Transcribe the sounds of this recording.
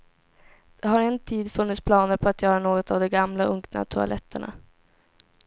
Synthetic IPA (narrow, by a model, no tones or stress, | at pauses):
d̪̥ɛɦaɾɛnt̪ʰiːd̪fɵnːɪt̪spʰlɑːnəɾpʰɔat̪jœːɾanoːɡɔt̪avd̪ɔmɡamlaɵŋkna̰t̪ʰʊa̰lʔɛt̪ːəɳa̰